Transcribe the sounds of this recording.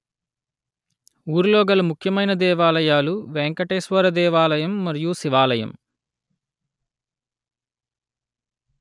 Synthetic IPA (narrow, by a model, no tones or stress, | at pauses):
uːɾulɔːɡɐlɐmukʰjɐmɐjnɐd̪ɛːʋaːlɐjaːluʋeŋkɐʈeːsʋɐɾɐd̪ɛːʋaːlɐjɐmːɐɾijusiʋaːlɐjɐ̰m